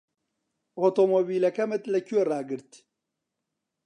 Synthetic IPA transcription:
ot̪omobilɐkɐmət̪lɐkjoɾaːɡɨɾt̪ʰ

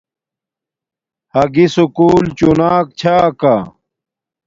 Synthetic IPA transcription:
hɐɡisukuːlt͡ɕunaːk̚t͡ɕʰaːka

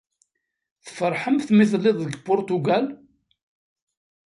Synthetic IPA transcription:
θfəɾˤħəmθθmiθlːɪðˤðəɡpʊɾt̪uɡæl

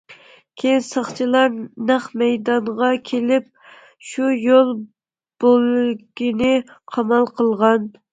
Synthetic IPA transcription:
kʲʰejnsɑχt͡ʃʰilˠɑɾnæχmɛjd̪ɑɴʁɑkʲʰelɪp̚ | ʃujolˠ | b̥olɡʲinɪqʰɑmɑlˠqʰəlˠʁɑn

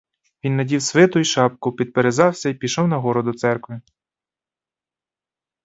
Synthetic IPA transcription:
ʋʲinːɐdʲiwsʋɪt̪ʊjiʃɑp̚kʊpʲid̪̚peɾezɑwsʲɐipʲiʃɔwnɐɦɔɾɔd̪ʊt̪sɛrkʋɪ

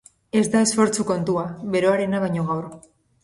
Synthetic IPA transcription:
e̞zd̪ae̞sfo̞ɾt͡suko̞nt̪uaβe̞ɾo̞aɾe̞naβajɲo̞ɣawɾ

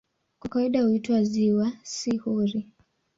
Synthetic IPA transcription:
kwakawaiɗahuitwaziwasihuɾi

